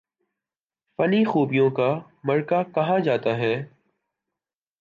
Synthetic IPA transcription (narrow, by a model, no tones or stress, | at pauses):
fəniːxuːbɪjõːkaː | məɾkaːkəɦãːd͡ʒaːt̪aːɦɛː